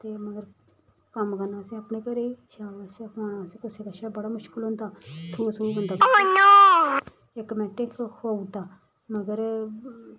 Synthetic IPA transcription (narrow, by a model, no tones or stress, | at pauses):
t̪eːməɡəɾ | kəmkənaːseəpneːkəɾeːt͡ʃʰaːʋaseoːɽãːseːkʊseːkaʃaːbəɽaːmʊʃkɪlɦʊ̃nd̪aːt̪ʰuːt̪ʰuːbənd̪aːnoː | ekmɛːʈɪkʰhout̪aː | məɡəɾ